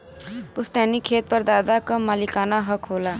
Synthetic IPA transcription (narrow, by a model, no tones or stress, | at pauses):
pʊst̪ɛːnikʰeːt̪̚pəɾd̪aːd̪akɐmːaːlikaːnaɦɐkɦoːlaː